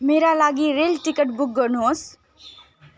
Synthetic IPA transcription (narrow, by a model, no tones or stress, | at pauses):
meːɾalaːɡiɾeːlʈɪkəʈbʊk̚ɡənos